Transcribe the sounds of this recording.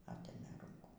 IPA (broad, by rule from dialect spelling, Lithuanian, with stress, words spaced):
ˈɑːtʲeːmʲeː ˈruːŋkuː